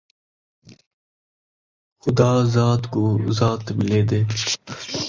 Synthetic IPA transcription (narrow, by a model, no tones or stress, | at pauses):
xʊd̪aːzaːt̪kozaːt̪mɪleːd̪eː